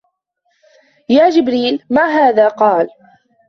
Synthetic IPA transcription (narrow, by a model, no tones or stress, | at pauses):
jaːd͡ʒɪbɾiːlmaːɦaːðaːqɑːl